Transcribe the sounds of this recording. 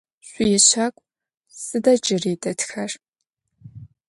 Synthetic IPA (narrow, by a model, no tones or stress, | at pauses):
ɕʷʼijɛɕakʷʼ | sɨdɐt͡ʃʼɪreːtʼɐtxɐr